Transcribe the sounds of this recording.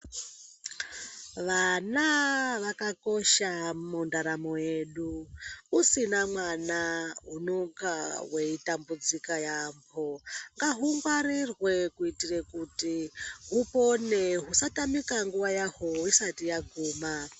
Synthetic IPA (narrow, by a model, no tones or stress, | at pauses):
ʋanaʋakako̞ʃamundaɾamojeɗuusinamwanaɦunoŋkawe̞itambud͡zikajambʰoŋɡaɦuŋɡwaɾirwe̞kuitirekutiɦuponeɦusatamikaŋɡuʋajahoisatijaɡʱuːma